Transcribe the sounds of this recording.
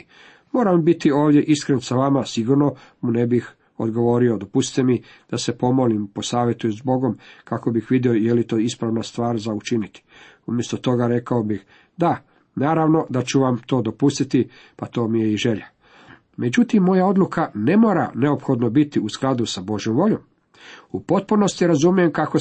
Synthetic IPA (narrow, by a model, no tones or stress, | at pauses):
mo̞ːɾambit̪io̞ːʋd̪je̞ʔiskɾensaʋamasiɡuɾno̞munebix | o̞̰d̪ɡo̞ʋo̞ːɾio̞d̪o̞pusi̥t̪emi | d̪̥ase̞po̞mo̞limpo̞saːʋjet̪uzbo̞ɡo̞mkako̞bixʋid̪io̞jelit̪o̞ːispɾaʋnast̪ʋaːɾzaut͡ʃinit̪i̥umje̞st̪ot̪o̞ɡaɾe̞kao̞bix | d̪a | naːɾaʋno̞d̪at͡ɕuʋamt̪o̞ːd̪o̞pust̪it̪i | pat̪o̞ːmijeiʒe̞ʎa | me̞d͡ʑut̪imːo̞jao̞d̪lukane̞mo̞ːɾa̰ne̞o̞pxo̞d̪no̞bit̪iusklˠad̪usabo̞ʒjo̞mʋo̞ʎo̞m | upo̞t̪̚puno̞st̪jiɾazumijemkako